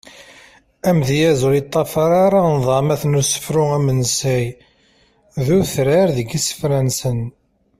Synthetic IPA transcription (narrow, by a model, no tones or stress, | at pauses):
æmðjæzʊlit̪ˤːɑfɑɾˤaɾˤanðˤɑmæθnusə̥fɾʊæmənsæj | ðuθɾaɾðəɡisə̥fɾænsən